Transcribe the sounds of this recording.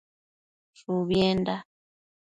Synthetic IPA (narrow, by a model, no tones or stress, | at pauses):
suβjɛnda